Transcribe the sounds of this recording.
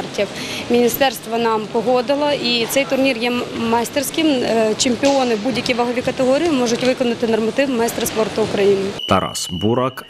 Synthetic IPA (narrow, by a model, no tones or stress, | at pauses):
rtʲiw | mʲinʲist̪ɛrst̪ʋɔnɑmpɔɦɔd̪ɪlˠɔʔit̪sɛjt̪ʊrnʲirjɛmɑjst̪ersʲkɪmt͡ʃemʲpʲɪɔnɪbudʲjɐkʲiʋɐɦɔʋʲikɐt̪eɦɔɾʲijimɔʒʊtʲʋɪkɔnɐt̪ɪnɔrmɐt̪ɪwmɐjst̪ɾɐspɔrt̪ʊːkɾɐjinɪt̪ɐɾɑ̰sbuɾɑk